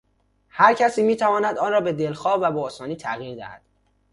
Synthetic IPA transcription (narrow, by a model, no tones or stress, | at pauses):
hæɾcʰæsiːmiːt̪ʰævɒːnæd̪ɒːnrɒːbe̞d̪e̞lxɒːvæbɒːsɒːniːt̪ʰæɣiːɾd̪æ̰hæ̰d̪̥